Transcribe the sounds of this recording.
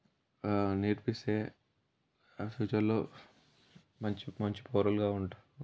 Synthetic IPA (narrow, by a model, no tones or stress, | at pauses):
niɾpiseː | suːt͡ʃɐlːoː | mɐɲt͡ʃimɐɲt͡ʃi̥poːɾɐlɡaːuɳʈḁ